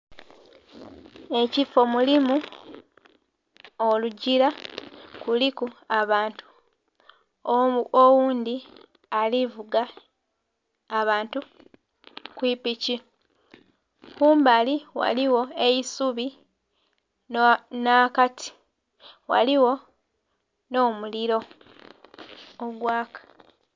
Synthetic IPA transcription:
e̞cifo̞mulimu | oluɟiɾakulikuaβaːntu̥ | owuːnd̪i | alivuɡa | βaːntu | kwiːpici | kuːmbaliwa̰liwo̞e̞isuβi | nakati̥ | wa̰liwo̞ | no̞ːmuliɾo̞ | oɡwaːkḁ

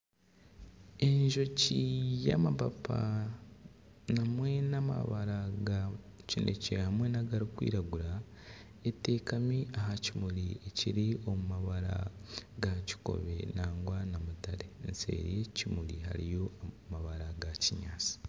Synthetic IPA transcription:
e̞ɲʒo̞cija̰mapapʰa̰ | namwe̞nama̰βaɾaɡacinʔḛce̞hamwe̞naɡaɾikwḭːɾaɡuɾa | ete̞kamiaɦacimuɾie̞ciɾio̞mumaβaɾa̰ɡaci̥ko̞̰βe̞̰naːŋɡwanamutaɾe̞nse̞̰ɾḭje̞cimuɾiha̰ɾijo̞a | maβaɾaɡaciɲaːt͡si̥

